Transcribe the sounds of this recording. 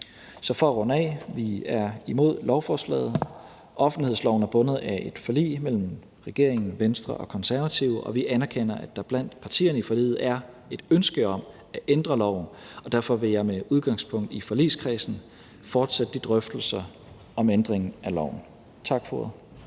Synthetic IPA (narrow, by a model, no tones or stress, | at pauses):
sɒ̽fɒʁɔnɛ̰ːʋiæɐimo̝ð̞̰ˠlɒʊfɒːslɛ̰ːð̞̩ˠ | ʔɒ̽fn̩lihe̝ðˠslɒʊn̩æɐb̥ɔ̽nəð̞̩ˠæʔe̝d̥fɒ̽lḭːmel̰m̩ | ʁɛɡ̥e̝ɐ̰eŋn̩ʋensd̥ʁɐ̰ʔɒ̽kʰɒ̽nsæɐʋæt͡sʰiʊʔɒ̽ʋiʔænæɐkʰen̰ɐʔæd̥ɑ̈b̥læn̰d̥pʰɑ̈t͡sʰḭːɐnəifɒ̽lḭːð̩ˠæɐ | e̝d̥ønsɡ̥əɒ̽m | æʔend̥ʁɐlɒʊ̰n̩ɒ̽d̥æɐfɒ̽ʋe̝jɑ̈ɪmeuð̞ˠɡ̥ɑ̈ŋspʰɔ̽ŋ̰d̥ifɒ̽lḭskʰʁɛːsn̩ | fɒːd̥sæd̥əd̥id̥ʁœfd̥l̩sɐ | ɒ̽mend̥ʁeŋn̩ælɒʊ̰n̩ | t͡sʰɑ̈ɡ̥fɔð̩ˠ